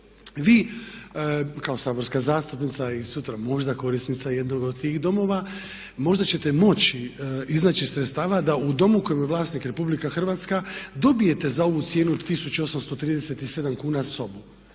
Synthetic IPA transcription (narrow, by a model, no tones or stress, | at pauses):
ʋiː | kao̞saːbo̞ɾskazaːst̪upnit̪saisut̪ɾamo̞ʒd̪ako̞ɾisnit̪saje̞d̪no̞ɡod̪̚t̪iːɣd̪o̞mo̞ːʋa | mo̞ʒd̪at͡ɕe̞t̪e̞mo̞t͡ɕiiznaːt͡ɕisɾet̪st̪aːʋad̪aud̪o̞muko̞jomjeʋlˠaːsniːkɾe̞publikaxr̩ʋaːt̪skad̪o̞bije̞t̪e̞zao̞ʋut̪sje̞ːnuod̪t̪isut͡ɕuo̞samst̪o̞t̪ɾiːd̪eset̪ise̞d̪amkuːnaso̞bu